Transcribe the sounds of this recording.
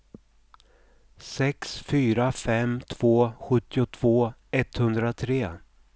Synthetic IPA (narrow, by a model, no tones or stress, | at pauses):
sɛksfyːɾafɛmt̪ʰv̥oːɧɵt̪ːɪʊt̪ʰv̥oːɛt̪hɵnd̪ɾat̪ʰɾeː